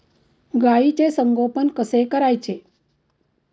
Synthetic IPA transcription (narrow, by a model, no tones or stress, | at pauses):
ɡait͡ɕesəŋɡopənkəsekəɾajt͡ɕe